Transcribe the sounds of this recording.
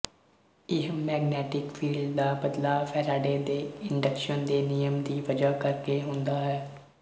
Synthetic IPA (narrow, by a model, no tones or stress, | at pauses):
ɪɦmɛːɡnɛːʈɪkfʰiːlɖd̪aːbəd̪laːpʰɛːɾaːɖeːd̪eːɪɳɖəkʃənd̪eːnɪjəmd̪iːʋəd͡ʒaːkəɾkeːɦʊ̃nd̪aːɦɛː